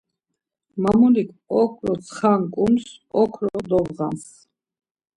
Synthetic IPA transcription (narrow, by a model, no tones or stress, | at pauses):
mamulikʰʼɔkʰɾɔt̪sʰχaŋkʼumsɔkʰɾɔd̪ɔvʁa̰ns